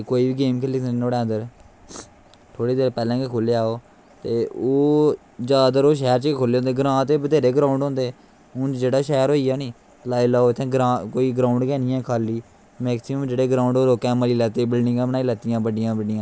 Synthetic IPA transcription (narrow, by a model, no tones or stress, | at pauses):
koːiːbiːɡeːmkʰɪlːɪksənoːɽɛ̃ːənd̪əɾ | t̪ʰoːɽeːd̪eːɾpɛːlɛ̃ːkekʰoːleːaːoː | t̪eːoː | d͡ʒaːd̪əɾoːʃ̬ɛːɾt͡ʃkekʰoːleːoːnd̪eːɡəɾãːt̪eːbəd̪eːɾeːɡɾaːʊɳɖɦõːnd̪eː | ʊ̃ːt͡ʃd͡ʒeːɽaːʃɛːɾɦoːiːaːnĩː | laːiːlaːoːɪt̪ʰːẽːɡɾãːkoːiːɡɾaːʊɳɖkɛːnɪjãːkʰaːlːiː | mɛːksɪməmd͡ʒeːɽeːɡɾaːʊ̃ɳɖoːloːkɛ̃ːməliːlɛːt̪eːbɪlnɪ̃ɡãːbənaːiːlɛːt̪ɪjãːbəɖɪjãːbəɖɪjãː